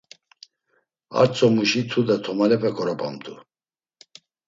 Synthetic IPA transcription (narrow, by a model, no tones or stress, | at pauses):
a̰ɾt͡sʼɔmuʃit̪ʰud̪at̪ʰɔmalɛpʼɛkʰʼɔɾɔpʼa̰mt̪ʼu